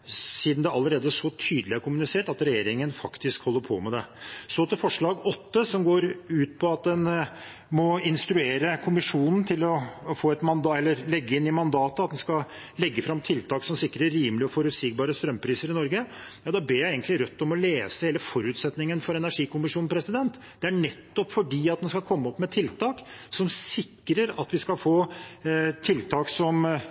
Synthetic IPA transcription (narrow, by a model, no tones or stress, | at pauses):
siːd̪nd̪ɛɑlːəɾeːd̪əʂɔt̪ʰyːd̪əlɪæɾkʰʊmʉnɪseːʈɑt̪ɾɛjeːɾɪŋənfɑkt̪ɪskhɔlːəɾpʰɔ̰mɛd̪ɛsɔt̪ɪfɔʂɭɑːɡɔt̪ːəsɔmɡoːɾʉːt̪̚pʰɔɑt̪̚d̪ɛn | mɔɪnst̪ɾʉeːɾəkʰʊmɪʂuːnn̩t̪ʰɪlɔfoːɛt̪mɑnd̪ɑɛlːəɾlɛɡːəɪnːɪmɑnd̪ɑːt̪əɑt̪d̪ɛnskɑ | lɛɡːəfɾɑmt̪ʰɪlt̪ʰɑːksɔmsɪkːɾəːiːməlɪɔfɔɾʉt̪siːɡbɑːɾəst̪ɾœmːpʰɾiːsəɾɪnɔɾɡə | jɑːd̪ɑbeːɾjæɪeɪɡənt̪lɪɾœt̪ːɔmɔleːsəheːləfɔɾʉːt̪sɛt̪nɪŋənfɔɾɛnæʂiːkʊmɪʂuːn̩pʰɾɛsɪd̪ɛnt̪ | d̪̥ɛæɳɛt̪ːɔpfɔɖiːɑt̪̚d̪ɛnskɑlkʰɔmːəɔpːmɛt̪ʰɪlt̪ʰɑːksɔmsɪkːɾəɾɑt̪ʋɪskɑlfoː | t̪ʰɪlt̪ʰɑːksɔm